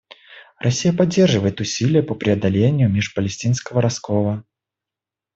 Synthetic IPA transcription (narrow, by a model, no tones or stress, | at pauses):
rʔɐsʲijəpɐdʲːe̞rʐɨvəjɪt̪ʊsʲilʲɪjəpəpɾʲɪɐd̪ɐlʲenʲɪjʊmʲeʂpəlʲɪsʲtʲinskəvəɾɐskovˠə